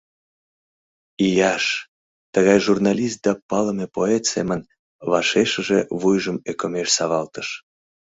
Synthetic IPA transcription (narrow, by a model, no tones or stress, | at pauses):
ijɑʃ | t̪əɣɑjʒurnɑlʲist̪̚d̪ɑpɑləmepoet̪semən | βɑʃeʃəʒeβujʒəmekomeʃsɑβɑlt̪əʃ